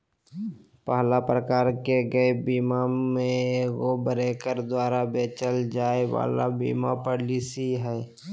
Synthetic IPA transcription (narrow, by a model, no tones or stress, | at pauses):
pəɦlapɾəkaːɾkeɡəebiːmamẽɡobəɾeːkəɾd̪waːɾabeːt͡ʃəld͡ʒaːewa̰ːla̰bḭːmapəɾlisiɦɛː